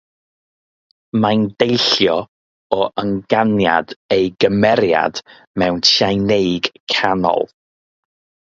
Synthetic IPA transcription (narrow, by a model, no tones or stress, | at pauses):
mandejɬjɔ | ɔʔəŋɡanja̰dejɡəmɛɾja̰d̥ | mɛwntʰjajnejɡ̥kʰanɔ̰lˠ